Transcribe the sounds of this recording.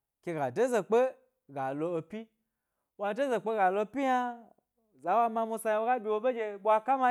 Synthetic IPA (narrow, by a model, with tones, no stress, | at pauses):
kʲe˧ɡa˨de˦ze˨k͡pe˦ | ɡa˨lo˧o˧pʲi˦ | wa˧˨de˦ze˨k͡pe˦ɡa˨lo˧pʲi˦ja˧ | za˨˦wa˧ma˧mu˧sa˧ja˧wo˧˦ɡa˦bʲi˧wo˧be˦d͡ʒe˧bʷa˧ka˦ma˧